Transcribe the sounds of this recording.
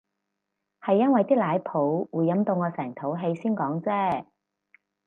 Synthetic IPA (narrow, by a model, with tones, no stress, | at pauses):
hɐ˨jːɐ˥nwɐ˨jt̪iː˥laː˨˧˥jpʰo˨˥wwuː˨˩jːɐ˨˧mt̪o˧wŋɔː˨˧sɛː˨˩ŋt̪ʰo˨˥wɦe˧jsiː˥nkɔː˨˥ŋt͡sɛː˥